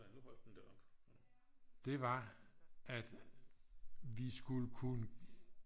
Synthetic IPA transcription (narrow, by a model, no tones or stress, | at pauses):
ænuhɒl̰d̥en̩d̥æɐɒb̥ | d̥e̝ʋɑ̈ | æd̥ | ʋisɡ̥uləkʰunə